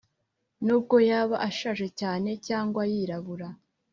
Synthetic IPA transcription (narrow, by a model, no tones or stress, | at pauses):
nuːb̚ɡo̞jaːβaʔaʃaʒe̞caːne̞caːŋɡwajiɾaβuɾa